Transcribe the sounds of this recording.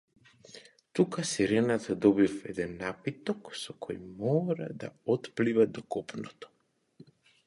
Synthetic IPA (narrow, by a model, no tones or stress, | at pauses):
t̪ukasiɾɛnat̪ʰad̪ɔbifɛd̪ɛnːapit̪ɔksɔkʰɔjmɔɾad̪a̰ɔt̪plivad̪ɔkɔpnɔt̪ɔ̥